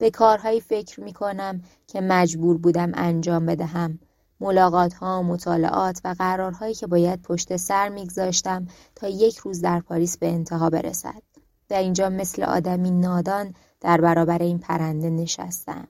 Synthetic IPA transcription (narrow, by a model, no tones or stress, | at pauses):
b̥e̞kʰɒːɾɦɒːjiːfe̞cʰɾmiːkʰo̞næm | cʰe̞mæd͡ʒbuːɾbuːd̪æmʔænd͡ʒɒːmbe̞d̪æɦæmː | o̞lɒːɣɒːt̪ʰhɒːomo̞t̪ʰɒːlḛʔɒːt̪ʰvæɣæɾɒːɾɦɒːjiːcʰe̞bɒːjæd̪̥̚pʰo̞ʃt̪e̞sæɾmiːɡzɒːʃt̪æm | t̪ʰɒːje̞cʰɾuːzd̪æɾpʰɒːɾiːsbe̞ːnt̪ʰeɦɒːbe̞̰ɾḛsæ̰d̪̥̚ | væɾind͡ʒɒːme̞slḛʔɒ̰ːd̪æmiːnɒːd̪ɒːn | d̪̥æɾbæɾɒːbæɾe̞iːnpʰæɾænd̪e̞ne̞ʃæ̰st̪æ̰m